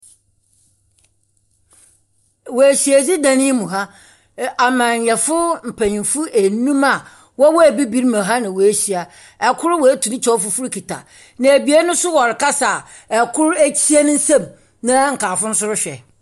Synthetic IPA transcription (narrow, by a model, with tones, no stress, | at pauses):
wɔ˨e˨ɕi˨æ˨d͡ʑi˦dã˨nĩ˦mũ˨ɦa˦ | a˨mã˨ɲ˨jɛ˨fʊ˦m̩˨pʰæ˨ɲĩ˨nfʊ˦ʔe˨nũ˦ma˨ | wɔ˦wɔ˦æ˨bi˦bi˦ɾmã˨ɦa˦nã˨wɔ˨e˦ɕi˨a˨ | ɛ˨kʰʊ˦ɾwɔ˨e˦tʰu˨nɪ̃˦t͡ɕʰɔ˦fʊ˦fʊ˦ɾkʰi˨tʰa̰˨ | nã˨æ˨bi˨e˦nʊ̃˦sʊ˦wɔ˨ɾɪ˨kʰa˦sa˨ | ɛ˨kʰʊ˦ɾe˦t͡ɕʰi˦e˦nʊ̃˦n̩˦sã˦˨m | nã˦ŋ̩˨kʰaː˨fʊ̃˦n̩˦sʊ˦ɾʊ˦ɕᶣɛ˨